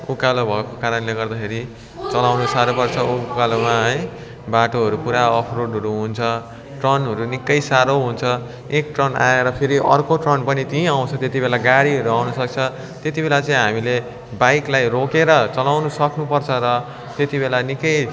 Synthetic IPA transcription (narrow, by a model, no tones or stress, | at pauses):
ukalobʱʌekokaɾʌnleɡʌrd̪akʰeɾi | t͡sʌlawnusaɾopʌrt͡sʰʌukalomaɦʌj | baʈoɦʌɾupuɾaʌpʰroɽɦʌɾuɦunt͡sʰʌ | ʈrʌnɦʌɾunikːʌjsaɾoɦunt͡sʰʌ | ekʈrʌnaeɾʌpʰiɾiʔʌrkoʈrʌnpʌnit̪iĩaw̃t͡sʰʌt̪et̪ibelaɡaɽiɦʌɾuawnʌsʌk̚t͡sʰʌ | t̪jet̪ibelat͡sʌ̃ĩɦamile | bajklajrokeɾʌt͡sʌlawnusʌknupʌrt͡sʰʌɾʌ | t̪et̪ibelanikʌj